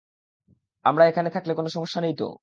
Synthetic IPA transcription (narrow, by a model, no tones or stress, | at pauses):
amɾaekʰanet̪ʰaklekonoʃɔmoʃːanejt̪o̰